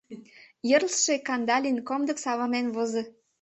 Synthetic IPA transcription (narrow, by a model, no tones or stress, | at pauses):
jərlʃekɑnd̪ɑlʲinkomd̪ə̆ksɑβɑnenβozɤ̆